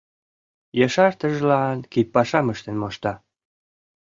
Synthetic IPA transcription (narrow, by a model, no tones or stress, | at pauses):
jɑʃɑrt̪əʒlɑnkit̪̚pɑʃɑməʃt̪enmoʃt̪ɑ